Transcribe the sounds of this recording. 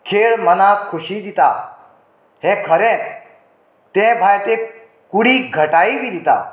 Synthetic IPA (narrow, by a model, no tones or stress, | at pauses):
kʰeɭmənakʰːuɕid̪it̪a | hẽkʰəɾẽt͡s | t̪ẽbʱajt̪e | kuɽiːɡʱəʈaibʱid̪it̪a̰